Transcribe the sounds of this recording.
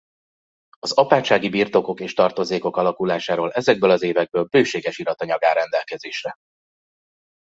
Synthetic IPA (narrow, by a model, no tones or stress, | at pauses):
ɒzɒpaːt͡ʃːaːɡibiːrt̪o̞ko̞keːʃt̪ɒrt̪o̞zeːko̞kɒlɒkulaːʃaːɾoːlɛzɛɡ̚bøːlɒzeːvɛɡ̚bøːlbøːʃeːɡɛʃilɒt̪ɒɲɒɡaːɾɛnd̪ɛlkɛzeːʃrɛ